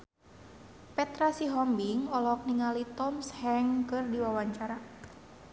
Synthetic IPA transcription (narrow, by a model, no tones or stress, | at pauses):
pɛt̪ɾasiɦɔmbiŋɔlɔk̚niŋalit̪ɔmshɛŋkɨrdiwawaɲt͡ʃaɾa